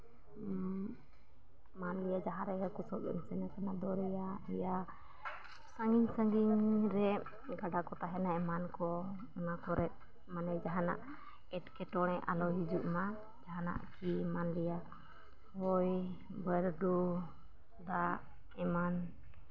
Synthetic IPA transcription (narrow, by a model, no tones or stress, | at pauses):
manlijad͡ʒaɦaɾɛɡakusɔɡɛ̰msɛnakanad̪ɔɾɛjaija | saŋiɲsaŋɡiŋɾɛ | ɡaɖakɔt̪aɦɛnaɛmankɔ | ŋakɔɾʔɛt̪̚ | manɛd͡ʒaɦana̰ʔ | ɛtkɛʈɔɽ̃ɛʔa̰lɔɦid͡ʒuʔma | d͡ʒaɦana̰ʔkʰimanlija | wɔj | bəɾdu | d̪aʔ | ɛman